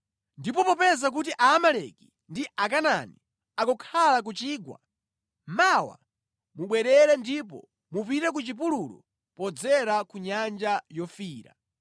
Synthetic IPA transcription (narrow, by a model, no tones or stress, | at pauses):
ndipɔpɔpɛzak̬utiʔaːmalɛ̰ki | ndiʔak̬ana̰ni | akɔkʰalak̬ut͡ʃiːɡwa̰ | mawa̰ | muɓwɛɾɛɾɛndip̬ɔ̰ | mupiɾɛk̬ut͡ʃip̬uluɾɔ̰ | pɔd͡zɛɾakuɲand͡ʒajɔfiːɾa̰